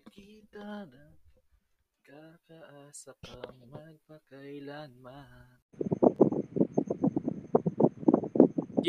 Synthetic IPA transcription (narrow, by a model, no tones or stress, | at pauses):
kit̪ana | kakaʔasapaŋmɐɡ̚pakajlanma